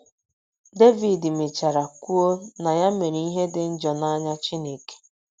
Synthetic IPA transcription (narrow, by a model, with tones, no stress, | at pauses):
de˦vi˨dme˨t͡ʃa˨ɾa˨kʷu˦o˦na˨ja˦me˨ɾi˦ɦe˦dɪ˨n̩˦d͡ʒɔ˨na˦ɲa˦t͡ʃi˦ne˨ke̥˨